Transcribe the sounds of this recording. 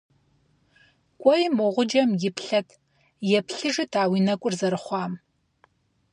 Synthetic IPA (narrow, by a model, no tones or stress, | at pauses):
kʷʼɔjmoʁʷʊd͡ʒɐmjɪpɬɐtʰ | jɛpɬɨʐɨtʰaːwinɐkʷʼʊrzɐɾɨχʷɑːm